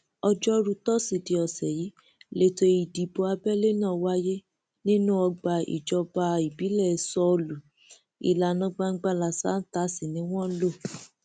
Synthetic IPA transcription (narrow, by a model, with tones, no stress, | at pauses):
ɔ˧d͡ʒɔ˦ɾu˧tɔ˦si˨ti˨˧ɔ˨sɛ˨ji˨˦ | le˦to˧i˨di˨bo˧a˧bɛ˦le˦nãː˦˨wa˦je˦ | nĩ˦nũ˦ɔ˧ɡ͡ba˧ḭ˨d͡ʒɔ˧ba˧i˨bi˨˦lɛ˦˨˧sɔ˧o˧lu˨ | ḭ˨la˨nã˦ɡ͡ba˧ŋ̩˦ɡ͡ba˧la˨sa̰˨˦n̩˦ta˦si˦˨nĩ˨˦w̃ɔ̃˦n̩˦lo˦˨